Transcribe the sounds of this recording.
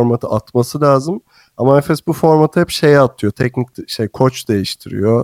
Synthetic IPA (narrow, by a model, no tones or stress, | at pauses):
ɾmat̪ʰɯʔat̪masɯlʲaːzɯm | amanɛfɛsbufo̞ɾmat̪ʰɯhɛpʃe̞jat̪ʰɯjo̞t̪ʰɛcnic̚ʃejkʰo̞t͡ʃd̪e̞jiʃt̪ʰiɾḭjo